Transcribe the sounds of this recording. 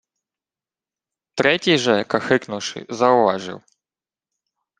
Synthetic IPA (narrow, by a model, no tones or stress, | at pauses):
t̪ɾɛtʲijʐɛkɐxɪknʊwʂɨ̰zɐʊʋaʐɨ̰w